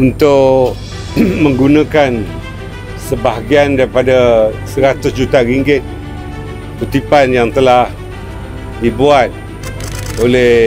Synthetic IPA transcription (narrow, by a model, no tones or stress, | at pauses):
unt̪ʊʔ | mə̃ŋɡunãkan | səbaɦaɡiandaɾipadasəɾat̪ʊsd͡ʒut̪aɾiŋɡɪt̪̚ | put̪ipanjaŋt̪əlah | dibuat̪̚ | olɛ